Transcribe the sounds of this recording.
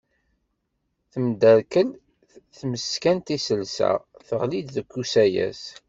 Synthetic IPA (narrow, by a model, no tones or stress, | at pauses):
θəmd̪æɾkəl | θməskænt̪isəlsæ̰θəʁlid̪ðəkːusæjæ̰s